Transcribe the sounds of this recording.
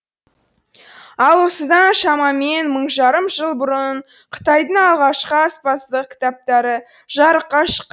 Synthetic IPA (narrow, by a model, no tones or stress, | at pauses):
ɑlˠwo̞səd̪ɑnʃɑmɑme̞nməɴʒɑɾəmʒəlˠbʊɾəɴ | qʰə̥t̪ɑjd̪əɴɑlˠʁɑʃqəɑspɑsd̪əq̚kʲʰɪ̥t̪ɑp̚t̪ɑɾə | ʒɑɾəqːɑʃə̥qː